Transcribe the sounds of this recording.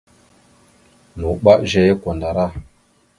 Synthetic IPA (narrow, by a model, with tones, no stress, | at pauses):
nu˨ɓa˦ʔʒɛ˦je˦ko˨nda˨ɾa˦